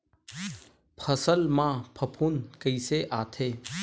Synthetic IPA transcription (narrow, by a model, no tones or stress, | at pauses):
pʰəsəlmãːpʰəpʰuːnkəiseʔaːt̪ʰeː